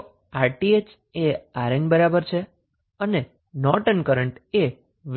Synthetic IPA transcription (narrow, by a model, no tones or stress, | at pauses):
aɾʈiet͡ʃ | eaɾenbəɾabəɾt͡ʃʰe | əne | nɔʈənkəɾəɳʈe | ʋ